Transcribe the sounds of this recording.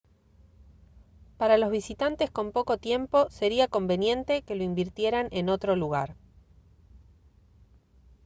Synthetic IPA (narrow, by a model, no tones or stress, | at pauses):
paɾalo̞zβisit̪ant̪e̞sko̞mpo̞ko̞t̪je̞mpo̞se̞ɾiako̞mbe̞nje̞nt̪e̞ke̞lo̞imbiɾt̪je̞ɾanʔe̞no̞t̪ɾo̞luɣaɾ